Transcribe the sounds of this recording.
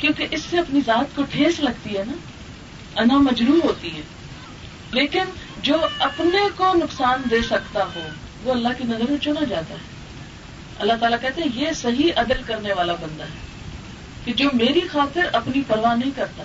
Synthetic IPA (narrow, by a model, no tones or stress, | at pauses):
kjõːkeʔɪsːeɐpnizaːt̪koʈʰeːslɐɡt̪iɦɛːna | ɐnamɐd͡ʒɾuːɦoːt̪iɦɛː | leːkɪnd͡ʒoːɐpnekonʊksaːnd̪eːsɐkt̪aɦoː | ʋoːɐlːaɦkinɐzəɾet͡ʃonad͡ʒaːt̪aɦɛː | ɐ̰lːat̪aːlakɛɦt̪ẽɦɛ̃jesɐɦiʔɐd̪əlkɐɾneʋaːlabɐ̃nd̪aɦɛː | ked͡ʒoːmeːɾixaːt̪ɪɾɐpnipɐɾʋaːnɐɦĩkɐɾt̪a